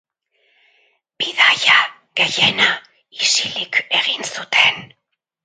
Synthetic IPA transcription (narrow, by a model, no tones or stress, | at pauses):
b̥iðaja | ɡe̞jena | isilike̞ɣinsut̪ʰe̞n